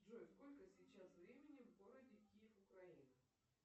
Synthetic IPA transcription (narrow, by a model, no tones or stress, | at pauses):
dʐojsko̞lʲkəsʲɪt͡ɕasvɾʲemʲɪnʲɪvɡo̞ɾədʲɪkʲijɪfʊkɾɐinɨ